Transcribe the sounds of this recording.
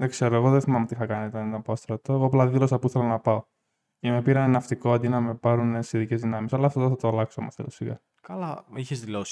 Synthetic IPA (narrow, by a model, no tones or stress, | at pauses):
ðekse̞ɾoeɣo̞ðeθimɐmot̪iθɐkɐnit̪ɐnit̪ɐpost̪ɾɐt̪oeɣoɐplɐðilo̞sɐpoiθelonɐpɐo̞ | imepiɾɐnenɐft̪ikoɐnd̪inɐmepɐɾunesiðicezðinɐmisɐlɐːft̪oðeθɐt̪oɐlɐksomeθelosiɣɐ̰ | kɐlɐiçezðilo̞si̥